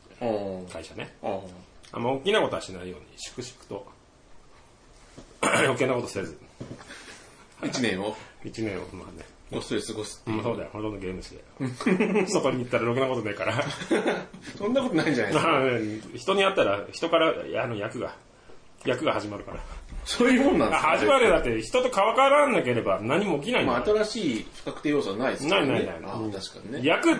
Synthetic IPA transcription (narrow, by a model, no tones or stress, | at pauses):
kaiɕane | a̰mːaokʲːinako̞t̪o̞aɕinaijo̞ːɲ̟ḭɕi̥kɯ̟ɕi̥kɯ̥t̪o̞̰ | ɾo̞ke̞nːako̞t̪o̞sezɨ | haiinẽoit͡ɕinẽ̞ɰ̃o̰ma̰ne | ɡossɨɡosɨ̥ɯ̃so̞ːd̪a̰jokont̪ond̪oɡʲe̞ːmɯ̟ɕid̪e̞̰ | sokoɲʲit̪et̪ːaɾaɾokɯnako̞t̪o̞naikaɾa | sõnːako̞t̪onaiɲd͡ʒanajaneçi̥t̪o̞ɲ̟iat̪ːaɾaçi̥t̪o̞kaɾaa̰no̞jakɯ̟ɡa̰ | jakɯ̟ɡahaʑimaɾɯ̟ka̰ɾa̰soːjɯmõnːãnahazimaɾɯd̪at̪ːeçi̥t̪o̞t̪okaβakaɾanːake̞ɾe̞banaɲ̟imo̞ːk̬ʲinaĩmaat̪aɾaɕiːfkakɯ̟t̪eːjoːsaβanainaiaina̰jnat̪aɕi̥kaɲinejakɯ̟